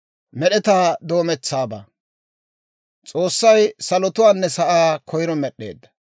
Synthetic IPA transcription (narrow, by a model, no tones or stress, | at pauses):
mɛɗɛt̪aːd̪o̞ːmɛt͡sːaːba̰ː | t͡sʼo̞ːsːɐjsɐlɔt̪ʊwaːnːɛsɐʔaːkʰɔjɪɾɔmɛɗe̞̰ːd̪ːɐ̥